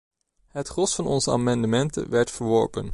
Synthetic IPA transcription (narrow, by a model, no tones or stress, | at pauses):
ɦətχɔsfɑnɔ̰nzəa̰mɑndəmɛntə̰nʋɛɹtfəɹʋɔ̰ɹpə̰n